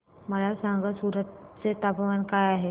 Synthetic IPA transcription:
məlasaŋɡəsuːɾət̪̚t͡set̪apəʋankajaɦe

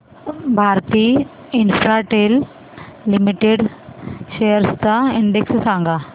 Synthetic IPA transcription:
bʱaɾt̪iː | infɾaʈelː | imiʈeɽɕejəɾst̪aiɳɖekssãŋɡa

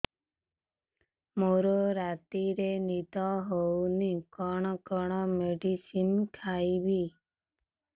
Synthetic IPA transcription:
moɾoɾat̪iɾenit̪ɔɦownikɔɳ̃ɔkɔɽ̃ɔmeɖisinkʰaibi

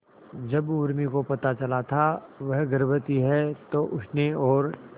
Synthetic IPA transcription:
d͡ʒɐbʊɾmikopɐt̪at͡ʃɐlat̪ʰaʋɐɦɡəɾbət̪iɦɛt̪oʔʊʈʰneɔːɾ

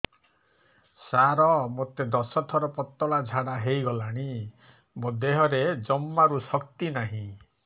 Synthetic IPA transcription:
saɾɔmot̪ed̪ɔsɔt̪ʰɔɾɔpɔt̪ːɔɭad͡ʒʱaɽaɦejɡɔlaɽ̃i | mod̪eɦɔɾed͡ʒɔmːaɾusɔk̚t̪inaɦĩ

